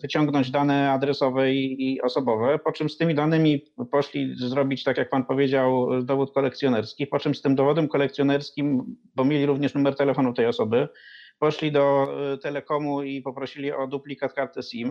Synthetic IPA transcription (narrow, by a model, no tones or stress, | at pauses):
vɘt͡ɕɔŋɡnɔɲd͡ʑd̪anɛad̪ɾɛsɔvɛiːɔsɔbɔvɛpɔt͡ʂɘmst̪ɘmʲid̪anɘmʲipɔʂlʲizɾɔbʲit͡ɕt̪akʲjak̚panpɔvʲjed͡ʑawd̪ɔvut̪̚kɔlɛkt̪sʲjɔnɛɾskʲixpɔt͡ʂɘmst̪ɘmd̪ɔvɔd̪ɛmkɔlɛk̚t̪sʲjɔnɛɾskʲimbɔmʲjelʲiɾuvɲɛʂnumɛɾt̪ɛlɛfɔnuft̪ɛjɔsɔbɘpɔʂlʲid̪ɔt̪ɛlɛkɔmuipɔpɾɔɕilʲiɔd̪uplʲikat̪̚kaɾt̪ɘsim